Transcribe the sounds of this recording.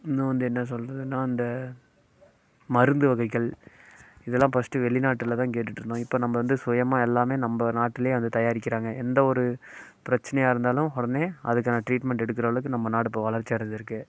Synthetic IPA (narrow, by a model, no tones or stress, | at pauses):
ɪnũʋɐnd̪ɯɛnːɐs̬ɔlɾɐðɯnːaːɪnd̪ɐ | mɐɾɯnd̪ɯʋɐɣɐɪkːɐɭ | ɪðɛlːãːpɐsʈɯʋɛɭːɪnaːʈːɪlɐt̪ãːkeːʈːɯʈːɾɯnd̪õːɪpːoːnɐmbɐʋɐnd̪ɯsɔjɐmaːɛlːaːmeːnɐmbɐnaːʈːɪlɐjeːʋɐnd̪ɯt̪ɐjaːɾɪkːɪɾaːŋɡɐɛnd̪ɐɔɾɯ | pɪɾɐt͡ʃːɐnɐjaːɪɾɯnd̪aːlʊ̃mɔɽɐneːɐðɯk̬ːaːnɐʈɾiːʈmɛɳʈɛɽɯkːɪɾɐʋɐɭɯkːɯnɐmːɐnaːɽɯpːɐʋɐɭɐɾt͡ʃːiɐɽɐɲd̪ɪɾɯkːɯ